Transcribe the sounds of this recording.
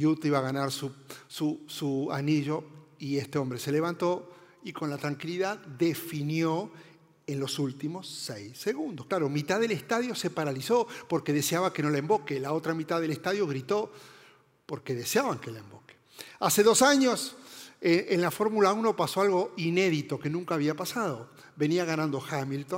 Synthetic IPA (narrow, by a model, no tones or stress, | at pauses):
jut̪iβaɣanaɾsususua̰niʒo̞iest̪eo̞mbɾe̞se̞leβ̞ant̪o̞ | iko̞nlat̪ɾaŋkiliðaðd̪efinjo | enlo̞sult̪imo̞sːejsːeɣund̪osklaɾomit̪aðe̞lest̪aðjo̞se̞paɾaliso̞po̞ɾke̞ðeseaβake̞no̞laembo̞kelao̞t̪ɾamit̪aðelest̪aðjo̞ɣɾit̪o | po̞ɾke̞ðeseaβaŋkelaembo̞ke̥ | ase̞ðo̞saɲoseʔenlafo̞ɾmulauno̞paso̞alɣo̞ine̞ðit̪o̞ke̞nũŋkaːβiapasaðo̞ | be̞niaɣanãnd̪o̞xamilt̪on